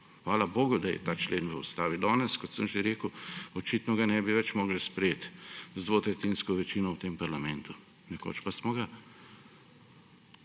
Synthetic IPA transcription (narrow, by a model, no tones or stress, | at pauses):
xʋaːlaboːɡud̪ajɛ̰t̪aːt͡ʃleːnʋəust̪aːʋid̪ɔːnɛskɔt̪səmʒeɾeːkuɔt͡ʃit̪nɔɡanɛbiʋɛt͡ʃmɔːɡlspɾjeːt̪zd̪ʋoːt̪ɾɛt̪inskɔʋɛt͡ʃiːnɔwt̪empaɾlamɛnt̪u | nɛko̰t͡ʃpasmɔɡa